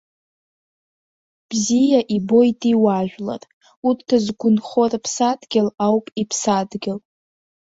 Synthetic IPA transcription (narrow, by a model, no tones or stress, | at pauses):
b̥zijaʔibo̞jtʼiwaʒᶣʷla̰rʼ | uttʰːazɡʷʊnχorapʰsadɡʲɪlawpʼipʰsadɡʲɪl